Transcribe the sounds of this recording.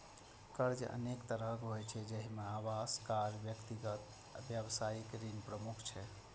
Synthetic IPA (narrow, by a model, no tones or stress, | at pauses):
kəɾd͡ʒə̰nekt̪əɾəkɦojt͡ʃʰɛd͡ʒəɦimeaʋaskaɾbjəkt̪iɡət̪ | bjəbsaikɾinpɾəmukʰt͡ʃʰɛ